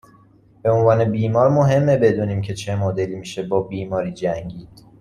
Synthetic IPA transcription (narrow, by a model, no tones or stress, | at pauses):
b̥e̞onvɒːne̞biːmɒːɾmoɦe̞mːebe̞d̪uːniːmcʰe̞t͡ʃʰe̞mod̪e̞limiːʃe̞bɒːbiːmɒːɾiːd͡ʒæŋɟiːd̪̥